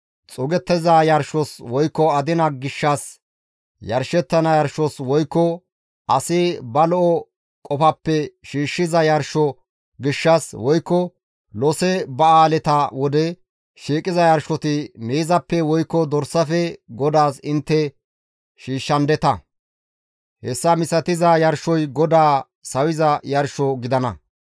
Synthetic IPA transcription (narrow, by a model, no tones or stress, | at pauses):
t͡sʼʊɡɛt̪ːɛzajɐɾʃɔswɔjkːɔɐd̪ɪnɐɡɪʃːɐs | jɐ̰ɾʃɛt̪ːɐnɐjɐɾʃɔswɔjkːɔ | ʔɐsɪbɐlɔʔɔ | kʼɔfɐpːɛʃiːʃːɪzɐjɐɾʃɔ | ɡɪʃːɐswɔjkːɔ | lɔsɛbɐaːlɛt̪ɐwɔd̪ɛ | ʃiːkʼːɪzɐjɐɾʃɔt̪ɪmeːzɐpːɛwɔjkːɔd̪ɔɾsːɐfɛɡɔd̪aːsɪnt̪ːɛ | ʃiːʃːɐnd̪ɛt̪ɐ | hɛsːɐmɪsɐt̪ɪzɐjɐɾʃɔjɡɔd̪aː | sɐwɪzɐjɐɾʃɔɡɪd̪ɐnɐ̰